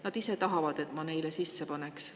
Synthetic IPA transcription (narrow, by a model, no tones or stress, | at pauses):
nɑd̪̥ise̞t̪ɑɦɑvɑd̪̥e̞t̪ːˑmɑne̞jlesisːe̞pɑne̞ks